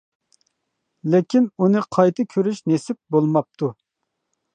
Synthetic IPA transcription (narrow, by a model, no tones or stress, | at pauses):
lɪkʲinunɨqʰɑjt̪ʰɨkʲʰøɾyʃnesɪp̚bolˠmɑp̚t̪ʰu